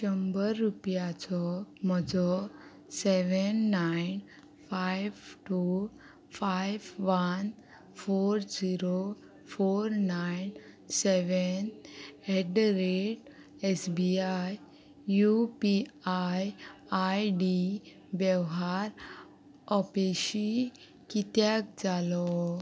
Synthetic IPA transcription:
t͡ʃəmbəɾːupjat͡sɔmɔd͡zɔ | seʋənːajn | fajʋʈu | fajʋʋan | foɾd͡ziɾo | foɾnajn | seʋəneɖɾeʈ | esbiaj | jupiajajɖi | bjɛʋɦaɾ | ɔpeɕi | kit̪jak̚d͡zalɔ

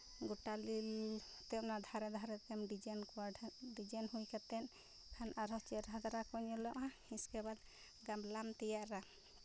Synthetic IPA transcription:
ɡuʈalil | t̪ɛmnad̪ʱaɾɛd̪ʱaɾɛt̪ɛmɖid͡ʒankaɖid͡ʒanhujkat̪ɛn | kʰanaɾɔt͡ʃɛɾʱad̪aɾakɔɲɔlɔʔãhĩskɛbat̪̚ | ɡamblamt̪ɛjaʔɾa

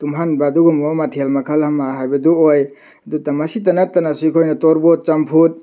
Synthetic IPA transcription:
tumɦanbaduɡumɔmatʰielmɐkʰɐlhamaɦajbɐduoj | dutamasit̬anatanasukʰojnɐtɔɾbɔt̚t͡ʃampʰut̚

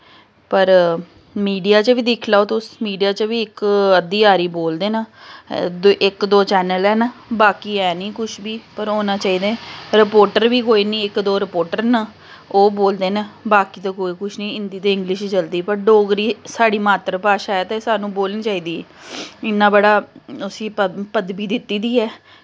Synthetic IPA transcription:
pəɾ | miːɖijaːt͡ʃəʋiːd̪ɪkʰlaːoːt̪ʊsmiːɖijaːt͡ʃəʋiːɪkəd̪iːaːɾiːboːld̪eːnaːd̪ʔɪkd̪oːt͡ʃɛːnəlɛːnaːbaːkiːɛːnĩːkʊʃʰbiːpəɾoːnãːt͡ʃaːiːd̪ẽːɾɪpoːɾʈəɾʋiːkoːiːnĩːɪkd̪oːɾɪpoːɾʈəɾnaː | oːboːld̪eːnaːbaːkiːt̪aːkoːiːkʊʃʰnĩːɪnd̪iːt̪eːɪ̃ŋɡlɪʃd͡ʒəld̪iːpəɾɖoːɡɾiːsaːɽiːmaːt̪ɾəpaːʃaːɛːt̪eːsaːnũːboːlniːt͡ʃaːiːd̪iːɛ̰ːɪnãːbəɽaːʊsĩːpəpəd̪biːd̪ɪt̪ːiːd̪iːɛː

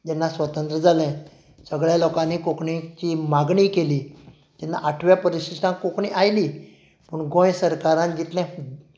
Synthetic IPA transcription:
d͡ʑɛnːasʋət̪ə̃nt̪ɾəd͡zʱalɛ̃ | səɡɭjalɔkãnːiːkokɳĩt͡ɕiːmaɡɳiːkeliː | d͡ʑ̪ɛnːa̰ʔaʈʰʋjapəɾiɕisʈãŋkokɳiʔajliː | pəɳɡõjsəɾkaɾãnd͡ʑit̪lɛ̃

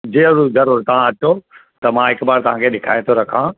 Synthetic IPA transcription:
d͡ʑeːɐɾuɡʱɐɾoɾt̪ɐʋ̤ãɐʈot̪ɐmãːɦɪkbaːɾt̪ɐʋ̤ãːkʰeɗɪkʰa̰ːj̃t̪ʰoɾɐkʰãː

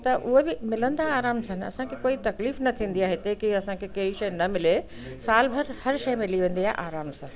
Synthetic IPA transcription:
t̪ɐʔʊɦebɪmɪlə̃nd̪aːɾaːmsɐ̃nɪ̆ɐ̰sãkʰekoːit̪ɐkliːfnɐt̪ʰĩːn̆d̪iaːɦet̪eːkiɐsãkʰekɐɦiʃɐjnɐmɪle | saːlbʱɐɾhɐɾʃɐjmɪliʋẽːn̆d̪iaːɦeʔaːɾaːmsɐ̃

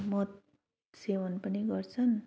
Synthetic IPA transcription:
mʌt̪̚ | sewʌnpʌniɡʌrt͡sʰʌn

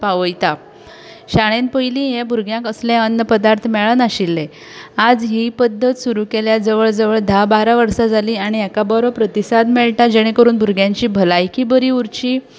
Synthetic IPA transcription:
paʋəjt̪a | ɕaɽ̃enpəjlĩːjẽbʱuɾɡjãkəslɛ̃ənːəpəd̪aɾt̪ʰmɛɭənaɕilːe | ad͡zɦipəd̪ʱːət̪suɾukeljad͡zəʋəɭd͡zəʋəɭd̪ʱabaɾaʋəɾsad͡zaliːaɽ̃iɛkabɔɾɔpɾət̪isad̪mɛɭʈad͡ʑɛɽ̃ekəɾuːnbʱuɾɡjãɲt͡ɕiːbʱəlajkiːbəɾiːuɾt͡ɕiː

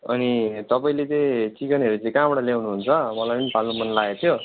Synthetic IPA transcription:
ʌ̰nit̪ʌpaĩlet͡seĩt͡sikʌnʌɾut͡sʌĩkãbʌɽalawnuɦunt͡sʰʌmʌlajpʌnipʰalnomʌnlaet̪ʰjo

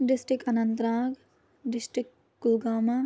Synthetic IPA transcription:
ɖɪsʈɾikɐnɐnt̪ɾãːɡ | ɖɪsʈɾɪk | kulɡaːma

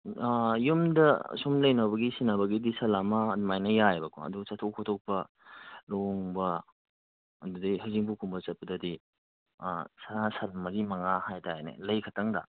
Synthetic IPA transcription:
jumdɐsumlɐjnɐβɐɡisinɐbɐɡidisɐlamɐːdmajnɐjajbɐkʰo̰ɐ̰duɡsɐtʰokʰotʰok̚pɐ | loŋbɐ | ɐdudɐjɦɐziŋbukʰumbɐsɐt̚pɐdɐdi | saasɐlmɐɡimɐŋahajtʰaenḛlɐjkʰɐtʰɐŋdɐ̰

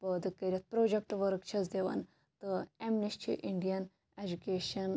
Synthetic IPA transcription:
pəd̪ɨkəɾʲɐt̪̚pɾoːd͡ʒek̚ʈʋɐɾkt͡ʃʰɐzd̪eʋɐ̰n | t̪ɨemnisʈʰḭʔiɳɖijɐn | ed͡ʒukeːʃɐn

